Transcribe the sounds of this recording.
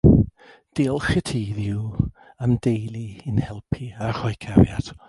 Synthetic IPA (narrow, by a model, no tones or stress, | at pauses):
d̥eːlˠχətʰiːðɪw | amdejlˠiɪnhɛlˠpʰiarhɔjkʰaɾjad̥